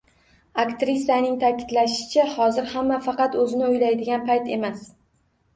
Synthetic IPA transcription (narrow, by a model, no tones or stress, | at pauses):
akt̪ɾɪsijanɪŋt̪ʰakʲʰɪd̪laʃɪ̥t͡ʃʰahɒzɪɾhamːafɑqɑt̪ɵzɪnɪʊjlajd̪ɪɡʲanpʰajt̪e̞mas